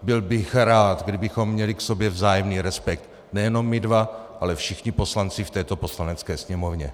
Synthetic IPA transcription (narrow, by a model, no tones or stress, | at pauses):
bɪlbɪxɾaːt̪ɡdɪbɪxo̞mːɲɛlɪkso̞bjɛvzaːjɛmniːɾɛspɛk̚t̪ | nɛjɛno̞mːɪdvaʔalɛfʃɪxɲɪpo̞slant͡sɪft̪ɛːt̪o̞po̞slanɛt͡skɛːsɲɛmovɲɛ